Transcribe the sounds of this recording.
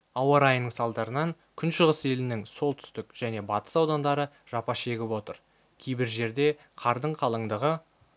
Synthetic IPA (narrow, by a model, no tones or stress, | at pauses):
ɑwɑɾɑjnəɴsɑlˠd̪ɑɾənɑŋ | kʲʰʏnʃəʁəse̞lɪnɪŋso̞lˠt̪ʰʏ̥st̪ɪkʒ̥æne̞bɑt̪ə̥sɑwd̪ɑnd̪ɑɾə | ʒ̥ɑpɑʃe̞ɡʲɪpwo̞t̪əɾ | kʲʰejbɪɾʒe̞ɾd̪e̞ | qʰɑɾd̪əɴqʰɑlˠəɴd̪əʁə